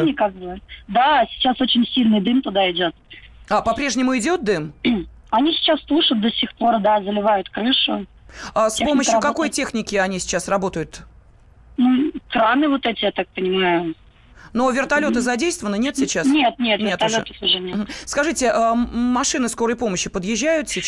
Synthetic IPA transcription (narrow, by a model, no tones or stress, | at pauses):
nʲɪkak̚bɨvtd̪asʲɪ̥t͡ɕːasot͡ɕɪnʲsʲilʲnɨjd̪ɨmt̪ʊd̪aɪdʲot̪̚apɐpɾʲeʐnʲɪmʊɪdʲo̞t̪̚d̪ɨm | ɐnʲisʲɪ̥t͡ɕasp̪ˠuʂʊt̪̚d̪əsʲixpo̞rd̪azəlʲɪvajʊt̪kɾɨʂʊ | əspo̞məʃɕjʊkɐko̞jtʲe̞xnʲɪkʲɪɐnʲisʲɪ̥t͡ɕːasrɐbo̞t̪əjʊt̪ | nukɾanɨvot̪ɛtʲɪjat̪ak̚pənʲɪmajʊ | novʲɪrt̪ɐlʲo̞t̪ɨzɐdʲejst̪vəvənənʲe̞t̪sʲɪt͡ɕːasnʲet̪̚nʲet̪nʲet̪ɐlʲot̪əfʊʐɛnʲem̩skɐʐɨtʲɪʔəmɐʂɨnɨsko̞ɾəjpo̞məɕːɪpəd̪jɪʑːæjʊt̪sʲɪ